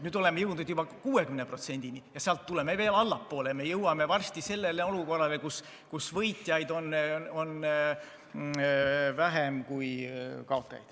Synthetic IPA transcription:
nyːd̪o̞le̞mejɤwd̪ud̪̥jubɑkuːe̞kymnepro̞t̪se̞nʲd̪̥inijɑseɑlt̪ːule̞meve̞ːlɑlːɑpːo̞ːleme̞jɤwɑme̞vɑrst̪ise̞lːe̞leo̞luko̞rːɑlekus | kusvɤjt̪jɑjd̪o̞nːo̞n | væɦemkujkɑo̞t̪ːˑɑjɑ̰jd̪̥

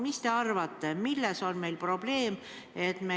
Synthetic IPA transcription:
mist̪e̞ɑrvɑt̪ːe̞milːeso̞nme̞jlpro̞b̥le̞ːm | e̞t̪ːme

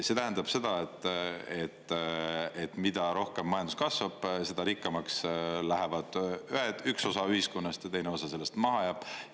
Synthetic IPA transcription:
se̞t̪æɦænd̪̥ɑb̥se̞d̪̥ɑet̪ˑːe̞t̪ː | e̞t̪ːˑmid̪̥ɑɾo̞hke̞mːɑjɑnd̪u̥skɑsvɑb̥se̞d̪̥ɑɾikːɑmɑkslæɦe̞vɑd̪̥yɦet̪ykso̞sɑyhiskonːɑst̪jɑt̪e̞jneo̞sɑse̞lːe̞st̪mɑɦɑjɑːb̥

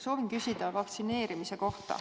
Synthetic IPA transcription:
so̞ːvinkysʲid̪̥ɑvɑkt̪sine̞ːɾimise̞ko̞ht̪ɑ̰

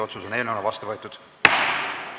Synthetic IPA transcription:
o̞t̪susone̞lneonɑvɑst̪ɑvɤet̪ud̪̥

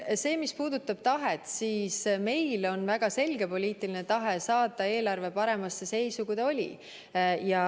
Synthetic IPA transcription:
se̞ːmispuːd̪̥ut̪ːˑɑb̥t̪ɑɦe̞t̪siːsme̞jlo̞nvæɡ̥ɑse̞lʲɡ̥e̞po̞liːt̪ˑiline̞t̪ɑɦe̞sɑːt̪ˑːɑe̞ːlɑrve̞pɑɾe̞mɑsːe̞se̞jsukud̪olʲḭ | jɑ

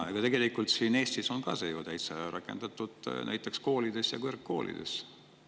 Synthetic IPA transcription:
ɑ̰ɡ̥ɑt̪e̞ɡe̞likult̪siːne̞ːst̪iso̞nkɑ̰sejoːt̪æjt̪seɾʔɑkːˑe̞̰nd̪̥ɑt̪ːˑud̪̥næ̰jt̪ːˑe̞ksko̞ːlid̪e̞sjɑkørkːo̞̰ːlʔḭd̪̥e̞̰s

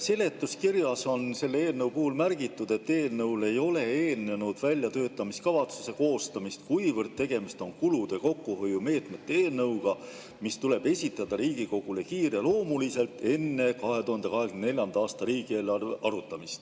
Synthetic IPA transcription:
se̞le̞t̪ːˑuskirjɑso̞nse̞lːeeːlnɤwpuhulmærɡ̥it̪ːˑud̪̥e̞t̪ːe̞ːlnɤwle̞jo̞le̞eːlne̞nud̪̥vælʲjɑt̪ø̞ːt̪ːˑɑmiskɑvɑt̪suse̞ko̞ːst̪ɑmist̪kujvərd̪̚t̪e̞ɡ̥e̞mist̪o̞nkulud̪̥e̞ko̞kːuɦo̞jume̞ːt̪me̞t̪ːeeːlnɤwɡ̥ɑ | mist̪ule̞b̥e̞sʲit̪ˑːɑd̪̥ɑɾiːɡiko̞ɡ̥ule̞kiːrelo̞ːmulise̞lt̪ːe̞nːe̞kɑɦe̞t̪uhɑnd̪e̞kɑɦekynene̞lʲjɑnd̪̥ɑːst̪ɑɾiːɡ̥ieːlɑreʔɑɾut̪ːˑɑmist̪

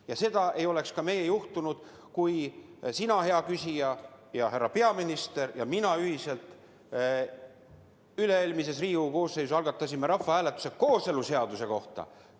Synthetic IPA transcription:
jɑse̞d̪̥ɑʔe̞jo̞le̞kskɑme̞jejuht̪unud̪̥ | kujsinɑɦe̞ɑkysʲijɑjɑɦærːɑpe̞ɑminist̪e̞ɾjɑminɑyhise̞lt̪ˑ | yle̞eːlʲmis̬e̞s̬riːuko̞ːssejsusɑlɡ̥ɑt̪ːˑɑsime̞ɾɑfːɑæːle̞t̪ːˑu̥se̞ko̞ːse̞luse̞ɑd̪̥use̞ko̞ht̪ɑ̰

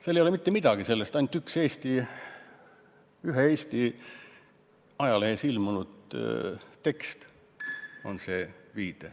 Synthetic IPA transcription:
selːejolemit̪ːemid̪̥ɑɡ̥ise̞lːest̪ɑnykse̞ːst̪i | yɦee̞ːsʲt̪i | ɑjɑleːsilmunud̪̥ | t̪e̞kst̪ | o̞̰nse̞ːviːd̪̥e

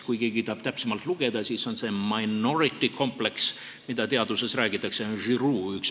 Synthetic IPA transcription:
kujke̞ːɡ̥it̪ɑːb̥t̪æpsemɑlt̪ˑluɡ̥e̞d̪̥ɑsiːso̞nse̞mɑjno̞ɾit̪ːˑikʰo̞mple̞ks | mid̪̥ɑt̪e̞ɑd̪use̞sɾæːɡ̥it̪ːˑɑkse̞onʒyɾuːyks

